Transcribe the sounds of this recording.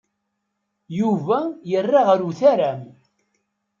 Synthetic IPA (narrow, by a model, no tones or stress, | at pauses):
juvæjərːaʁəɾuθæɾæm